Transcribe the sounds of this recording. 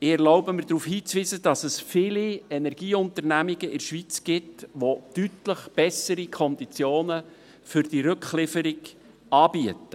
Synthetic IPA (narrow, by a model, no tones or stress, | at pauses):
ɪɛɾloʊbəmɪɾdɾuːfhiːt͡sʋiːzəd̥ɑsəsfɪliɛnɛɾɡ̥iːʊntəɾnæmiɡəʔɪɾʃʋit͡sɡ̥ɪtʋotytləχb̥ɛsəɾikʰɔnd̪it͡sjoːnə | fʏɾd̥iɾɵkχlɪfəɾɪɡ | ɑːbiətə